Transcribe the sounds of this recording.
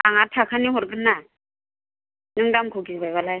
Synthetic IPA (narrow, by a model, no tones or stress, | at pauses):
aŋatʰakʰaniɦɔɾɡɯnːa | nɯŋdamkʰoɡibajβalaj